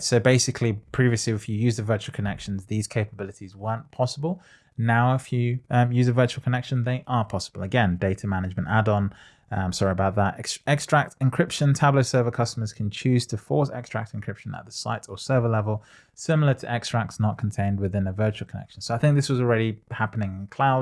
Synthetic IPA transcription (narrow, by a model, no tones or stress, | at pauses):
soʊbeɪsɪkʰlipʰɹ̥iviəsliɪfjɨjʉːzəvɜˑt͡ʃuəl̩ˠkʰənɛkʃə̃n̩zðiːz̥kʰeɪpəbɪlˠɪtizwɜ̃˞npʰɒsəbəlˠ | naʊɪfjəjʉːzəvɜˑt͡ʃul̩ˠkʰənɛkʃə̃nðeɪʔəpʰɒsəb̥əlˠəɡɛ̃ndeɪtʰəmanɪɨd͡ʒmə̃ntadñ̩ | msɔɹiəbaʊt̪̚ðətɛksɛkstɹ̥ak̚tɪ̃nkʰɹ̥ɪpʃə̃ntʰabləʊsɜ˞vəkʰʌstəməz̥kʰn̩t͡ʃʰʉːz̥tʰəfɔˑsɛ̰kstɹ̥a̰k̚tɪ̃nkʰɹ̥ɪpʃə̃nə̰ʔ̪̚ðəsa̰ɪtəsɜ˞vəlɛvəlˠ | sɪ̃ml̩ˠətʰəʔɛkstɹ̥ak̚tsnət̚kʰn̩tʰẽɪ̃nd̚wɪðɪ̃nəvɜˑ˞t͡ʃuəl̩ˠkʰənɛ̰kʃn̩soʊaɪθɪ̃ŋk̚ðɪswɒzɔlˠɹɛɾihapənɪ̃ŋɪ̃nkʰl̥aʊ